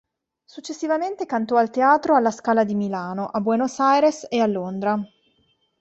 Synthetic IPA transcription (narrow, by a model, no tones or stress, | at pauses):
sut͡ʃːesːivament̪ekant̪ɔalt̪eaːt̪ɾoalːaskaːlad̪imilaːnoʔabwɛnosajɾesealːond̪ɾa